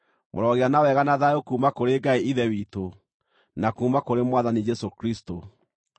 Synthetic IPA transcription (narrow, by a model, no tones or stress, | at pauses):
mʔo̰ɾɔɣeanawɛɣanaðaokuːmakoɾeɡaeiðɛwiːto | nakuːmakoɾemwaðanid͡ʒɛsokɾisto